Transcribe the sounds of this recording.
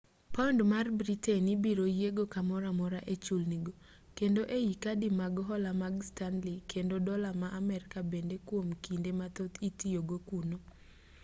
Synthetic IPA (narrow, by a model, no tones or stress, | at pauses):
pɔndmarbɾitenibiɾojeɡokamɔɾamɔɾaʔet͡ʃulniɡo | kendoʔejikadimaɡɦɔlamaɡstanlikendodɔlamaʔamɛɾɪkabendekwomkindemat̪ot̪itijoɡokuno